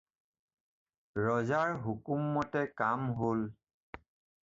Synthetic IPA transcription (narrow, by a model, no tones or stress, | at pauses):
ɹɔzaɹɦukumːɔtɛkamɦol